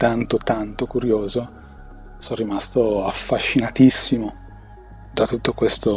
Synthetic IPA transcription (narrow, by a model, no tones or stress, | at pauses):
t̪ant̪ot̪ant̪okuɾjoːzo | sɔnrimast̪oafːaʃːinat̪isːimo | d̪at̪ut̪ːokwest̪o